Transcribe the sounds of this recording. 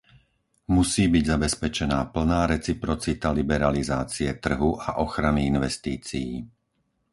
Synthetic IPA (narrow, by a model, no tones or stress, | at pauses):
musiːbiɟzabɛspɛt͡ʃɛnaːpl̩naːɾɛt͡sipɾɔt͡sit̪alibɛɾalizaːt͡siɛt̪r̩ɦuʔaʔɔxɾaniinʋɛst̪iːt͡sijiː